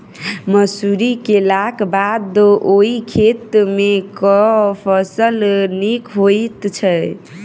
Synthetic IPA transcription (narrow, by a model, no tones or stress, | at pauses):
məsuɾikelakbad̪oikʰet̪mekɔpʰəsəlnikɦojt̪t͡ʃʰəj